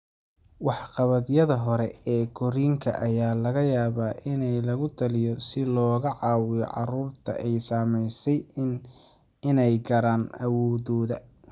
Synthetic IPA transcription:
wɑħqɑβɐðjɐðɐɦɔɾɛɛːɡɔɾiːŋkʰɐ̰ʔɐjaːlɐɣɐjaːβaːʔɪnɛjlɐɣʊt̪ʰɐlɪjɔsɪlɔːɣɐʕɑːwɪjɔ̰ʕɑ̰ruːrt̪ʰɐ̰ʔɛjsaːmɛjsɛj | ɪnɛjɡɐɾaːnɐwɔːðɔːðɐ

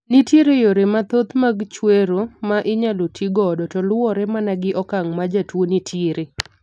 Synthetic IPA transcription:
nitjeɾejoɾemat̪ot̪maɡt͡ʃweɾomaʔɪɲalotʰiɡɔdɔtɔlwɔɾɛmanaɡɪʔɔkaŋmad͡ʒatwonitʰiɾe

